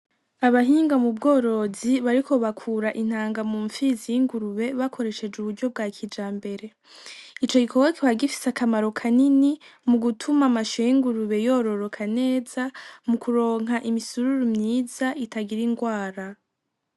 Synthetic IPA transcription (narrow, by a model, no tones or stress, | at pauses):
aβaɦiːŋɡamubɡo̞ːɾo̞ziβaɾiko̞βakʰuɾaʔin̥haːŋɡamuːɱfizijiŋɡuɾuβe̞βakʰo̞ɾe̞ʃe̞d͡ʒuβuɾɟo̞b̚ɡaːkʰid͡ʒaːmbe̞ɾe̞ | it͡ʃo̞ɡikʰoɡwakeβaɡifi̥sakʰamaɾo̞kʰaninimuɡutʰumamaʃojiŋɡuɾuβe̞jo̞ːɾo̞ɾo̞kʰane̞ːzamukuɾo̞ːŋ̥ɦaʔimisuɾuɾumɲiːzaʔitaɡiɾiŋɡwaːɾa